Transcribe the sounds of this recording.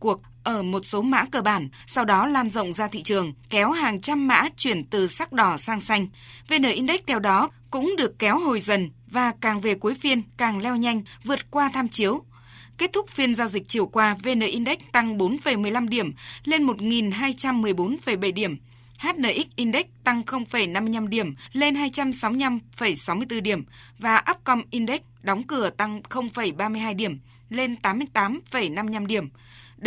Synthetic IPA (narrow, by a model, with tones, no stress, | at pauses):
ku˨˩ək̚ | ʔəː˧˩mo˨˩t̚so˨˦ma̰ː˧˥kəː˧˩ɓaː˧˩nsa˧wɗɔ˨˦laː˧nzə̰˧˨wŋ͡mzaː˧t̪ʰḭ˧˨t͡ɕɨ˨˩əŋkɛ˨˦whaː˨˩ŋt͡ɕa˧mːa̰ː˧˥t͡ɕwi˧˩ənt̪ɨ˨˩sa˦˥k̚ɗɔ˧˩saː˧ŋsa˧jŋ̟ | ve˨˩nəː˧˩ʔi˧nɗa˦˥k̟̚t̪ʰɛ˧wɗɔ˨˦kʊ̰˧˥ŋ͡mɗɨ˨˩əkːɛ˨˦who˨˩jzə˨˩n | vaː˨˩kaː˨˩ŋve˨˩ku˨˦əjfi˧ənkaː˨˩ŋlɛ˧wɲa˧jŋ̟vɨ˨˩ət̚kwaː˧t̪ʰaː˧mt͡ɕi˨˦əw | ke˦˥t̚t̪ʰʊ˦˥k͡p̚fi˧ənzaː˧wzi˨˩k̟̚t͡ɕi˨˧˩əwkwaː˧ve˧˩nəː˨˩ʔi˧nɗɛ˦˥k̟̚t̪a˧ŋɓo˨˦nfə˧˩jmɨ˨˩əjla˧mɗi˧˩əmle˧nmo˨˩t̚ŋi˨˩nɦaː˧jt͡ɕa˧mːɨ˨˩əjɓo˨˦nfə˧˩jɓə˧˩jɗi˧˩əm | haː˦˥t̚nəː˧˩ʔi˦˥k̚ʔi˧nɗɛ˦˥k̚t̪a˧ŋxə˧wŋ͡mfə˧˩jna˧mːɨ˧jla˧mɗi˧˩əmle˧nɦaː˧jt͡ɕa˧msa˨˦wa˧mfə˧˩jsa˨˦wmɨ˧əjt̪ɨ˧ɗi˧˩əm | vaː˨˩ʔə˦˥p̚kɔ˧mʔi˧nɗɛ˦˥k̚ɗɔ˨˦wŋ͡mkɨ˧˩ət̪a˧ŋxə˧wŋ͡mfə˧˩jɓaː˧mɨ˧əjɦaː˧jɗi˧˩əm | le˧nt̪aː˨˦mːɨ˧əj̪aː˨˦mfə˧˩jna˧m˧jɲa˧mɗi˧˩əm